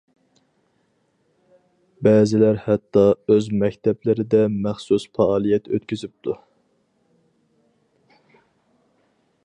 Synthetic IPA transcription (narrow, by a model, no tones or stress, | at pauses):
bɛːzɪlæɾhɛt̪ːɑøzmɛkʲt̪ʰɛplɪɾɪd̪ɛmæχsusfɑːlˠijɛt̪ʰø̰t̪kʲyzyp̚t̪ʰu